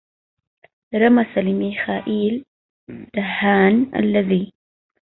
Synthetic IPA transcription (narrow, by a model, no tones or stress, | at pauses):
ɾˤɑmasalɪmixaːʔiːl | d̪̥ahːaːnʔa̰lːaðiː